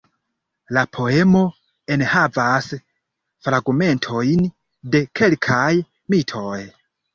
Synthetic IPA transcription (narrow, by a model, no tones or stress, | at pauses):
lapʰo̞e̞mo̞ | e̞nhavas | fɾaɡme̞ntʰo̞jn | de̞kʰe̞lkʰaj | mitʰo̞j